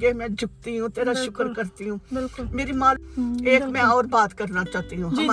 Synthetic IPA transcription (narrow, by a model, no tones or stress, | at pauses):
ɡeːmɛ̃ːd͡ʒʱʊk̚t̪iɦũːt̪eːɾaːʃʊkəɾkəɾt̪iɦũːɪkʊmeːɾiːmãːeːkmɛ̃ɔːɾbaːt̪kəɾnaːt͡ʃaːt̪iɦũːɦəmː